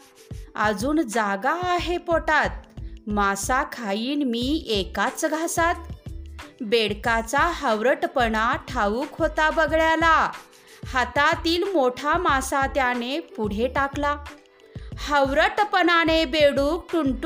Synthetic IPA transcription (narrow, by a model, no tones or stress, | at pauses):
əd͡zuːnd͡zaɡaːɦepoʈat̪̚masakʰajiːnmiekat͡sɡʱasat̪̚ | beɽkat͡saɦəwɾəʈpəɳaʈʰaʋuːkɦot̪abəɡɭjala | hat̪at̪iːlmoʈʰamasat̪janepuɽ̤eʈakla | həwɾəʈpəɳanebeɽuk̚ʈuɳʈ